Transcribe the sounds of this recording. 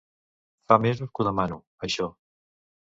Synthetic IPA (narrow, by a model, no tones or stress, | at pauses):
famezukuðəmanu | əʃɔ